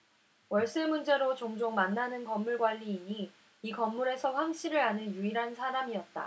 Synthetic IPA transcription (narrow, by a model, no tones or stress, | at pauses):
wʌɭs͈emund͡ʑe̞ɾot͡ɕoŋd͡ʑoŋmanːanɯnkʌmːuɭɡwaʎːiːɲi | ikʌmːuɾe̞sʰʌɸwaŋɕ͈ʰiɾɯɾanɯnjuiɾɦansʰaɾamiʌt̚t͈a̰